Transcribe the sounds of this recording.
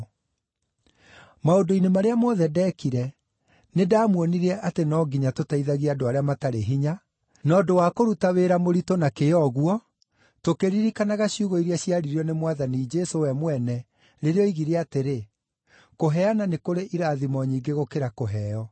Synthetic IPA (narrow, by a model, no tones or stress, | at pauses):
maodoinemaɾeamɔðɛdɛkiɾɛ | nedaːmwɔniɾɛʔatenɔɡiɲatotaiðaɣiadoaɾeamataɾeɦiɲa | nɔdowakoɾutaweɾamoɾitonakeɔɣwɔ | tokeɾiɾikanaɣaɕiuɣɔiɾiaɕiaɾiɾiɔnemwaðanid͡ʒɛsowɛmwɛnɛ | ɾeɾeɔiɣiɾeateɾe | koɦɛananekoɾeʔiɾaːðimɔɲiːŋɡeɣokeɾakoɦɛːɔ